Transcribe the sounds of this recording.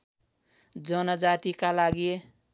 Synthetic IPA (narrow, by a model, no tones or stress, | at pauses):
d͡ʒʌnʌd͡ʒat̪ikalaɡie